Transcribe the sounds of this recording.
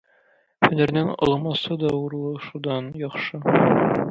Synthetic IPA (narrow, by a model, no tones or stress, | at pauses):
hɵ̆næɾnænɒ̰lˠɑmɑsɤd̪ɒwuɾlˠɤʃud̪ɑnjɒχʃɤ